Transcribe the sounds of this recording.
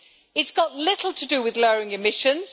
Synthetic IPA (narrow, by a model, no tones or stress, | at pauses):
ɪtsɡ̥ɒʔlɪtʰˡl̩ˠtʰədəwɪðlɜːɹɪ̃ŋɪmɪʃə̃nz̥